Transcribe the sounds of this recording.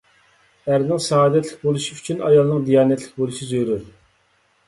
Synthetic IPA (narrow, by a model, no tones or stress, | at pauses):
æɾnɪŋsɑɑːd̪ɛt̪ʰlɪk̚ʲbolˠuʃiyt͡ʃʰynɑjɑlˠnəŋd̪ijɑːnɛt̪ʰlɪk̚ʲbolˠuʃizøɾɪɾ